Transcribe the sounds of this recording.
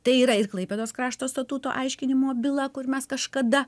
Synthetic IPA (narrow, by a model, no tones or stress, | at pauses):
t̪ɐɪiːɾɐɪrklˠɐɪpʲeːd̪oːskɾɑːʃt̪oːst̪ɐt̪uːt̪o̰ːʔɐɪʃʲkʲɪnʲɪmoːbʲɪlˠɐkʊrmʲɛskɐʃkɐd̪ɐ